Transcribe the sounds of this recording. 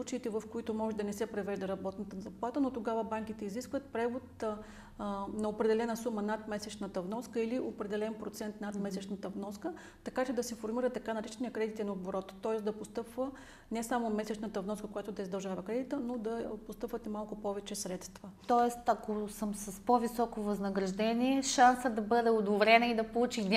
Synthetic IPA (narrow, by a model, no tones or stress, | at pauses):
slˠut͡ʃɐit̪ɛvɐfkoit̪omɔʒɛd̪ɐnɛsɛpɾɛvɛʒd̪ɐɾɐbɔt̪nət̪ənzɐplˠat̪ənot̪oɡavəbaŋk̟it̪ɛiziskvət̪̚pɾɛvot̪ | nɐopɾɛd̪ɛlɛnəsumənat̪mɛsɛt͡ʃnət̪əvnɔskəiliʔopɾɛd̪ɛlɛnpɾot̪sɛnt̪nat̪mɛsɛt͡ʃnət̪əvnɔskə | t̪ɐkat͡ʃɛd̪ɐsɛfoɾmiɾət̪ːɐkanɐɾit͡ʃɛnijəkɾɛd̪it̪inoboɾɔt̪t̪ːɔɛsd̪ɐpost̪ɤpvə | nɛsamomɛsɛt͡ʃnət̪əvnɔskəkojat̪ʊd̪ɐizd̪ɐlˠʒavɐəkɾɛd̪it̪ənod̪ɐpost̪ɤpvət̪malˠkʊpɔvɛt͡ʃɛsɾɛt̪st̪vət̪ɔɛst̪ɐkosəmsɐspovisɔkovɐznɐɡɾɐʒd̪ɛnʲiɛʃansəd̪ɐbɤd̪ɛod̪ovɾɛnɛid̪ɐpolˠut͡ʃi